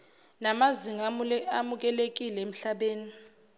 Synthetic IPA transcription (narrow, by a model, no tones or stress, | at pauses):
namaziŋaamuk̬ɛlek̬ilɛem̩ɬaɓeːni